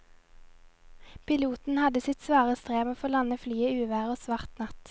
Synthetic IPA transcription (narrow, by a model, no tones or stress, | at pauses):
pʰɪluːt̪n̩hɑd̪əsɪt̪sʋɑːʁəst̪ʁeːʋoːfɔlɑnəflyːəʉːʋæːʁoːsʋɑʁt̪nɑt̪